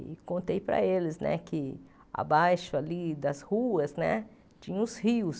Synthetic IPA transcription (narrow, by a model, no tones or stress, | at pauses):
kõnt̪ejpɾɐ̰elɪznɛ̰kɪ | a̰bajʃʊalid̪ɐshuɐznɛ | t͡ʃĩɲɐ̃ʊshiʊs